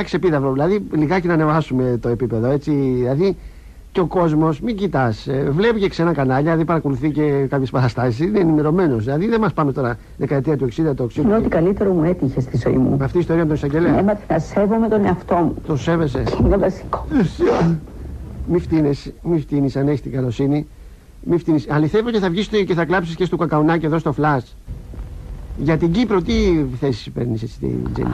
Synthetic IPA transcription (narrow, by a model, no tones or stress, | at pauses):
ɐkse̞piðɐvɾoðilɐðiliɣɐcenɐne̞vɐsume̞t̪o̞e̞pipe̞ðo̞e̞t͡siðilɐði | ceo̞ko̞zmo̞smiɲɟit̪ɐsvle̞pice̞kse̞nɐkɐnɐʎɐɐðipɐɾɐko̞luθice̞kɐpçespɐtɐst̪ɐsisisineːnime̞ɾo̞me̞no̞silɐðiðemɐspɐmet̪o̞ɾɐ | ðe̞kɐet̪iɐt̪ue̞ksid̪ɐt̪uoeksinot̪ikɐlit̪eɾomue̞t̪içest̪izo̞ḭmṵmɐft̪iːst̪o̞ɾiɐmet̪onisɐɲɟe̞leemɐt̪nɐse̞vo̞met̪oneɐft̪o̞mut̪o̞se̞ve̞se̞inevɐsi̥ko̥esio | mift̪inesmift̪inisɐneçist̪iɡɐlo̞sini | mift̪inisɐliθe̞voceθɐvʝist̪iceθɐklɐpsiscest̪okɐkɐunɐceðo̞st̪o̞flɐs | ʝɐt̪iɟipɾo̞t̪iθe̞si̥spe̞ɾniset͡si̥t̪ḭzḛ